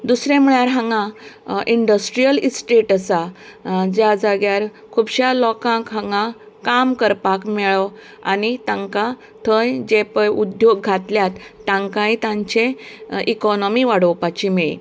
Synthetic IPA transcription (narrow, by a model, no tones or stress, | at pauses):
d̪usɾẽmuɭjaɾɦãŋɡãʔiɳɖəsʈɾijəlisʈeʈəsad͡ʑjad͡zaɡjaɾ | kʰubɕalɔkãkɦãŋɡã | kamkəɾpakmɛɭɔ | a̰nit̪ãŋka | t̪ʰə̃jd͡ʑepəjud̪joɡɡʱat̪ljat̪ːãŋkãjt̪ãɲt͡ɕeikɔnɔmiʋaɽəwpat͡ɕimiɭḭ